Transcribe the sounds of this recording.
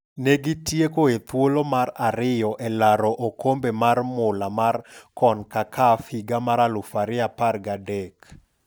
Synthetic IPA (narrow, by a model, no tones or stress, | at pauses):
neɡɪtjekoet̪wolomaɾaɾɪjɔʔɛlaɾɔʔokombemarmʊlamarkɔnkakʰafɪɡamaɾalʊfaɾɪaparɡadek